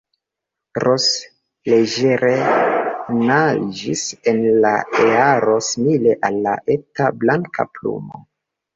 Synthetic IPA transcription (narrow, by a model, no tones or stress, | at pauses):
ɾos | leʒeɾe | nad͡ʒise̞nla̰eaɾo̞simile̞ʔalːa̰ʔe̞tablaŋka̰plṵmo̰